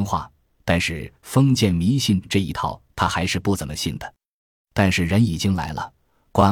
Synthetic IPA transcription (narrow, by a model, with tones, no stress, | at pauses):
ŋxwa̰˥˩ | t̪a˥˧nʂɻ̩˥˩fɤ˥ŋt͡ɕjɛ˥˩nmi˧˥ɕi˥˧nʈ͡ʂɤ˥˩ḭ˧˥t̪ʰɑ˥˩ʊt̪ʰa˥xa˧˥ɪʂɻ̩˥˧pu˥˩t͡sə˨˩mə˦ɕi˥˩nd̪ə˩ | t̪a˥˧nʂɻ̩˥˩ɻə˧˥ni˨˩t͡ɕi˥ŋla̰˧˥ɪlə̰˧ | kwa˥